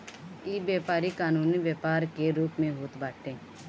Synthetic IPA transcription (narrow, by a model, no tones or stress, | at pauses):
iːbjeːpaːɾikaːnuːniʋjeːpaːɾkeɾuːpmẽɦoːt̪baːʈʰẽː